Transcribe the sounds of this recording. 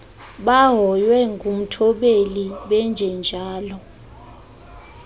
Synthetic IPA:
ɓaɦɔjwɛŋɡʱum̩tʰɔɓeliɓɛnd͡ʒʱɛnd͡ʒʱaːlɔ

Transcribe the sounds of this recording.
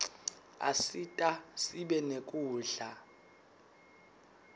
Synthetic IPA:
a̰sitʼasiɓɛnekʼuːɮa

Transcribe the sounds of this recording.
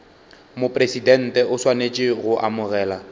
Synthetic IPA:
mʊpʼresidɛn̩tʼɛʊswanet͡ʃʼɪɣʊʔamʊrɛːla

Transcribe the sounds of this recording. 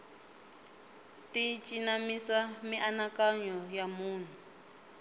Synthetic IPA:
tit͡ʃʼinamisamiʔanakaɲɔjamuːn̤u

